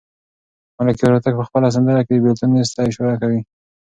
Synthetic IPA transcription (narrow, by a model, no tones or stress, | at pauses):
malakiaɾat̪aɡ̚pəxpəlas̬and̪əɾaked̪əbɪlt̪unest̪ɑjʃuɾakawi